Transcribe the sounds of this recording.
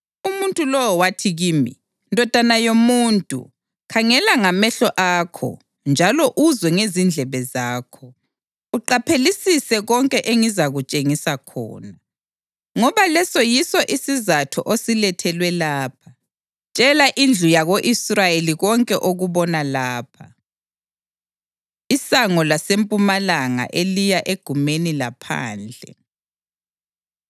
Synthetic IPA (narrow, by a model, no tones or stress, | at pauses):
umuntʼulɔwɔwatʰiɣiːmḭ | ndʱɔd̥ʱanajomuntʼṵ | kʰaŋɛlaŋamɛɬɔʔaːkʰɔ̰ | nd͡ʒʱalɔʔuzwɛŋezind͡ɮʱɛβɛzaːkʰɔ | uǃapʰelisisɛɣɔŋkʼɛʔeŋizaɣut͡ʃʼeŋisakʰɔ̰ːna | ŋɔβalɛsɔjisɔʔisizatʰɔʔosilɛtʰɛlwɛlaːpʰa | t͡ʃʼɛlaʔind͡ɮʱujaɣoʔisrajeliɣɔŋkʼɛʔoɣuβɔnalaːpʰa | isaŋɔlasempʼumalaŋa̰ʔelijaʔeɡ̥ʱumenilapʰa̰ːnd͡ɮʱɛ̰